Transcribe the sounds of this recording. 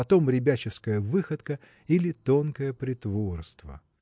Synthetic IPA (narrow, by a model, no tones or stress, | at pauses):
ɐt̪o̞mɾʲɪbʲæt͡ɕɪskəjəvɨxət̪kə | ilʲɪt̪o̞nkəjəpɾʲɪt̪vo̞rst̪və̰